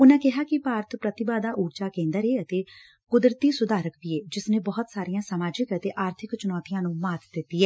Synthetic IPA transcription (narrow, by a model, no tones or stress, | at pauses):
ʊnãːkɪɦaːkɪpaːɾət̪pɾət̪ɪbaːd̪aːʔuːɾt͡ʃaːkẽːnd̪əɾeːət̪eː | kʊd̪ɾt̪iːsʊd̪aːɾəkbɪeːd͡ʒɪsneːbɔːʊt̪saːɾijãːsəmaːd͡ʒɪkət̪eːʔaːɾt̪ʰɪkt͡ʃʊnɔːt̪ijãːnũːmaːt̪d̪ɪt̪ːiːɛː